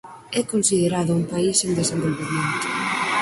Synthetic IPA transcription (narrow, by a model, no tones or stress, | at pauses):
ɛkonsiðeɾaðʊuŋpaisend̪esembolβemẽnt̪ʊ̥